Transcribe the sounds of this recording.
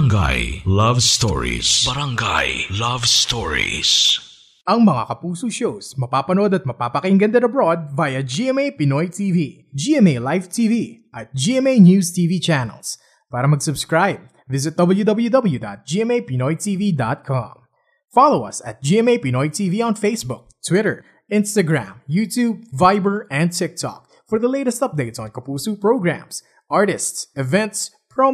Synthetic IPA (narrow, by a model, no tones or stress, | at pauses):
ŋɡa̰jlɐvst̪oɔ̰ɹḭsbɐɾɐŋɡa̰jlɐvst̪oɹḭs | ʔɐŋmɐŋa̰kɐpuːsoʃowsmɐpapɐnod̪ɐt̪̚mɐpapɐkɪŋɡɐnd̪ɛnɐbɾo̞d̪̚vaːjɐd͡ʒiʔɛmejpɪnojt̪ʰivi | d͡ʒiʔɛmejlajft̪ʰiviʔɐt̪̚d͡ʒiɛmejnjuːst̪iːvit͡ʃanɛ̰ls | paːɾɐmɐɡsʊbskɹajb̚ | vɪzɪt̪̚d̪ʌbl̩ˠjud̪ʌbl̩ˠjud̪ʌbəl̩ˠjud̪a̰t̪̚d͡ʒiːɛ̃meɪpinɔjt̪ʰivid̪a̰t̪̚kʰɑ̰̃m | fɑloʊʌ̰sæ̰t̪̚d͡ʒiːɛmeɪpinɔjt̪ʰiviɔ̃nfeɪsbʊk̚t̪ʰwɪɾəɹ | ɪ̃nst̪ɐɡɹæ̰̃mjuːt̪ʰuːb̚vaɪbəɹɛ̃nd̪̚t̪ʰɪk̚t̪ʰɔ̰k̚ | fɔɹðɐleɪɾɛst̪ʌp̚d̪eɪt̪sɔ̃nkɐpuːsuːpɹoʊɡɹæ̰̃ms | ʔaɹɾɪst̪sɛvɛ̃nt̪s | fɹɔ̃